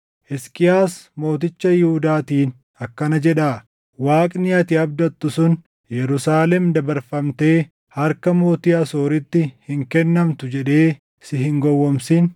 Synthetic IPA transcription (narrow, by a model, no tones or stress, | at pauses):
ʔɛskʼɪjaːsmo̞ːt̪ɪt͡ʃːɐjɪhʊd̪aːt̪iːn | ɐkːɐnɐd͡ʒɛᶑaː | waːkʼnɪɐt̪ɪɐb̚d̪ɐt̪ːʊsʊn | jɛɾʊsaːlɛmd̪ɐbɐɾfɐmt̪e̞ː | hɐɾkɐmo̞ːt̪ɪɐsoːɾɪt̪ːɪhɪŋkɛnːɐmt̪ʊd͡ʒɛᶑe̞ː | sɪɦɪŋɡɔwːɔmsɪn